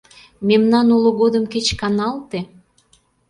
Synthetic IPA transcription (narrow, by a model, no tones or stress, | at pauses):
memnɑnuləɣod̪əmket͡ɕkɑnɑlt̪e